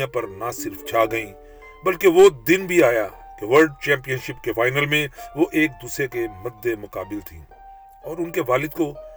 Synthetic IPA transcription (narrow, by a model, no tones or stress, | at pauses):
ãpɐɾnasɪɾft͡ʃʰaːɡɐĩː | bɐlkeʋod̪ɪnbʱiaːja̰ | keʋəɾɖ̚t͡ʃɛ̃ːmpijənʃɪpkefaːɪnəlmẽʋoʔeːk̚d̪uːsɾekemɐɾd̪ːemʊkaːbɪlt̪ʰḭ̃ː | ɔːɾʊnkeʋaːlɪd̪ko